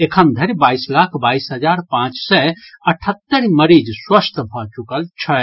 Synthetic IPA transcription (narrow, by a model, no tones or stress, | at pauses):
ekʰənd̪ʱəɾbaislakʰbaisɦəd͡ʒaɾpãt͡ʃsɛəʈʰət̪ːəɾməɾid͡ʒswəst̪ʰbʱɔt͡ʃukəlt͡ʃʰə